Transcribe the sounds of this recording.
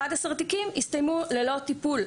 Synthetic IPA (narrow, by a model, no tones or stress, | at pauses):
adhasaʁt̪ikimist̪ajmulelo̞t̪ipul